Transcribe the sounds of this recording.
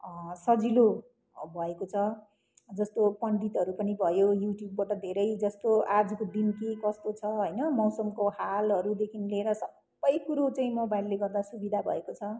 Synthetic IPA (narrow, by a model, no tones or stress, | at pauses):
sʌd͡zilo | bʱʌekot͡sʰʌ | d͡zʌst̪opʌɳɖit̪ʌɾupʌnibʱʌjojuʈjubːaʈʌd̪ʱeɾʌjd͡zʌst̪oad͡zkod̪inkikʌst̪ot͡sʰʌɦʌjnʌmʌwsʌmkohalɦʌɾud̪ekʰinleːɾʌsʌbbːʌjkuɾot͡saĩmʌbajlːeɡʌrd̪asubid̪ʱabʱʌ̰ekot͡sʰʌ